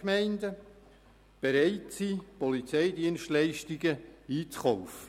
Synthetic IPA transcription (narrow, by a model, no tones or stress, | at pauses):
mɛɪndə | b̥eɾæɪtsipɔlit͡sɛɪdiənʃtlæɪʃtiɡəiːt͡sχɔʊfə